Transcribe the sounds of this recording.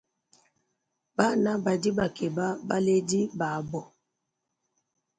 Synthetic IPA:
ba˦˨na˦ba˨di˦ba˨ke˨ba˦ba̰˦le˦di˦ba˨˦bɔ˨

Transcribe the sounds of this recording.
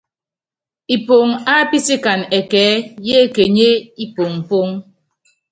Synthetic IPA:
i˨po˨ŋa˦pi˦si˦ka˨nɛ˨kɛː˨˦je˦˨ke˨ɲe˦i˦po˨ŋm̩˨po˦ŋ

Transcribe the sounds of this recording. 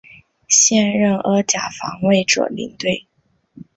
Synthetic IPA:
ɕjɛ˥˧nɻə˥˩nə˧˥t͡ɕja̰˨˩fɑ̰˧˥ŋwe˥˩ɪʈ͡ʂɤ̰˨˩lḭ˧˥ŋt̪we˥˩ɪ

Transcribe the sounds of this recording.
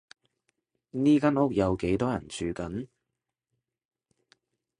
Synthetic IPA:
niː˥kaː˥nʊ˥k̚jɐ˨˧wke˨˥jt̪ɔː˥jɐ˨˩nt͡ʃʰyː˨˧kɐ˨˥n

